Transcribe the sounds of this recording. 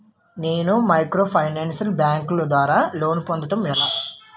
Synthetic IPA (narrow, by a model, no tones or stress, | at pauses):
neːnumɐjkɾoːpʰɐjnaːnsɐlbjaːŋkloːd̪ʋaːɾaːlo̞ːnpond̪ɐʈɐmːeːd̪ɐ